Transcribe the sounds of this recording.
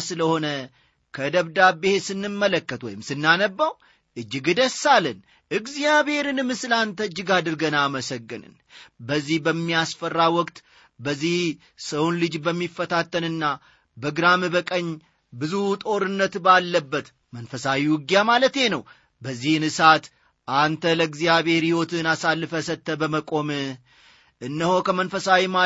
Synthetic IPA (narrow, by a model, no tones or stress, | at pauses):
sɨləho̞nə | kʰəd̪əβd̪abːehesɨnːɨmːələkːət̪wɔ̰jɪmsɨnːanəbːaw | ʔɨd͡ʒːɪɡd̪əsːalːən | ʔɨɡzijaβhe̞ɾɨnɨmɨsɨlant̪ʰəɨd͡ʒːɪɡad̪ɨɾɡənaːməsəɡːɨnɨ̰n | bəzːihbəmːijasfərːawɔkt̪ | bəzːih | səwunlɨd͡ʒbəmːifːət̪ʰat̪ːənɨnːa | bəɡɨɾamɨbəkʼəɲː | bɨzut̪ʼo̞ɾɨnːət̪balːəbːət̪ | mənfəsawiwʊɡjamalət̪je̞nəw | bəzːihnɨsat̪ | ʔant̪ʰələɡzijaβhe̞ɾhiho̞t̪ɨnasalːɨfəsət̪ːəbəməkʼo̞mɨ | ʔɨnːəho̞kʰəmənfəsawima